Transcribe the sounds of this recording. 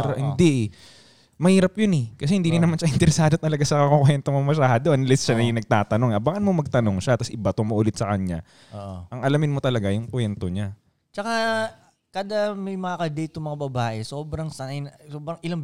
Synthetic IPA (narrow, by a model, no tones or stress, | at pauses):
ɾhɪnd̪iʔ | mɐhiːɾɐpjonɛkɐs̬ɛhɪnd̪inɪnɐmanʃɐʔɪnt̪ɛɾɛsaːd̪ot̪ɐlɐɡasɐkɐkokwɛnt̪omɐmɐʃaːhɐd̪oʔɐnlɛsʃanɐjʊŋnɐɡ̚t̪aːt̪ɐnoŋʔɐbaŋɐnmomɐɡ̚t̪ɐno̞ŋʃat̪ɐsʔɪbɐt̪omoʔʊlɪt̪̚sɐkɐɲa̰ | ʔʔɐŋʔɐlamɪnmot̪ɐlɐɡajʊŋkwɛnt̪o̞ɲa | t͡ʃɐka | kad̪amɐjmɐŋakɐd̪ejt̪ʊmɐŋabɐbaːʔɛsoːbɾɐŋsɐnɐjnɐsoːbɾɐŋɪlaŋ